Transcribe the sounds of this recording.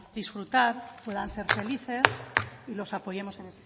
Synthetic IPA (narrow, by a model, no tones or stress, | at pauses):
ðisfɾut̪aɾpwe̞ðanse̞ɾfe̞liθe̞silo̞sapo̞je̞mo̞senese